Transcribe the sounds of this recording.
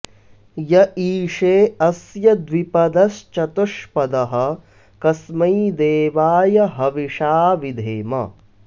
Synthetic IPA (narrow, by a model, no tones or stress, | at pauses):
jɐʔiːʂeːɐsjɐd̪ʋipɐd̪ɐst͡ʃɐt̪uʂpɐd̪ɐɦɐ̆ | kɐsmɐjd̪eːʋaːjɐɦɐʋiʂaːʋid̪ʱeːmɐ̰